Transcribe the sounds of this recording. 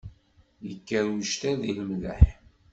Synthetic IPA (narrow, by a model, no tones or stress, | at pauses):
jəkːəɾuʃt̪æðiləmðæ̰ħ